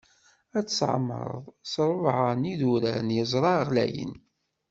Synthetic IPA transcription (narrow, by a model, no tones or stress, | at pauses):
æt͡sːsʕ̰mːə̰ɾˤə̰ðˤsɾˤəvʕəniðuɾænjəzˤɾˤɑʁlæ̰jə̰n